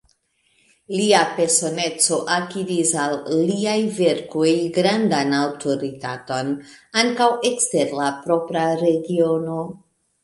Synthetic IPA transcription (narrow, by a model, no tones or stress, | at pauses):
liape̞ɾso̞ne̞t͡so̞ʔakidisalːiajve̞ɾkojɡɾandanawtʰoɾitato̞naŋkawe̞kste̞ɾlapɾo̞pɾaɾe̞ɡio̞no̞